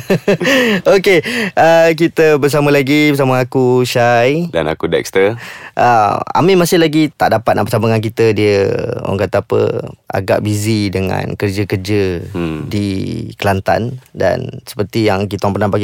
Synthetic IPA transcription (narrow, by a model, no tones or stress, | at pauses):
okeək̬it̪əbərs̬amə̃laɡibərs̬aməakuʃajda̰na̰kudɛ̰k̚st̪əʔəa̰mĩmasɪhlaɡit̪aʔdapat̪̚naʔbəsaməŋank̬it̪ədiəɔ̰ŋkat̪aːpə̰a̰ɡa̰ʔbizidəŋã̰nkərd͡ʒəkərd͡ʒədikəlant̪a̰nda̰nsə̥pərt̪ijaŋkit̪aãŋpərnãbaɡi